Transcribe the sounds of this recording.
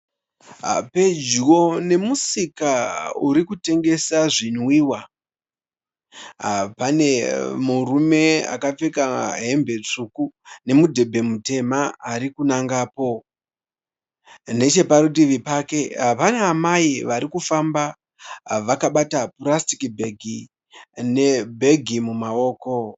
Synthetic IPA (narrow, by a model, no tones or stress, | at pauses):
aped͡ʒwo̞ne̞musikauɾikute̞ŋɡe̞saʐinwiːwa | apane̞murume̞a̰kap͡fe̞kaɦe̞mbe̞t͡ʂukune̞mudʱe̞bʱe̞mute̞maːɾikunaŋɡaːpo̞ | ne̞t͡ʃe̞paɾutiʋipaːke̞ɦapanaːmaiʋaɾikufamba | ʋakaɓatapurastikibʱe̞ɡʱi | ne̞bʱe̞ɡʱimumao̞ːko̞